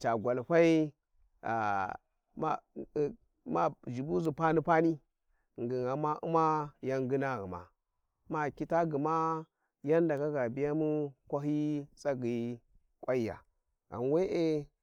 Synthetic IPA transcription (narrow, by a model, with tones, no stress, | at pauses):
t͡ʃa˨ɡʷa˨lɸa˦i˦ | a̰˨ | ma˦˨ | ma˨d͡ʒi˨bu˦zu˨pa˦ni˦pa˦ni˦ | ŋ˨ɡi˨ŋa˨ma˦ʔṵ˦ma˦ja˦ŋɡi˦na˦ɣi˨ma̰˨ | ma˨ki˦ta˦ɡi˨ma˦ | ja˦nda˨ka˦ɡa˨bi˦ja˦mu˦kʷa˦ɦi˦t͡sa˦ɡi˨ | kʷʼa˦i˦ja̰˨ | a̰˨n˨we˦ʔe˦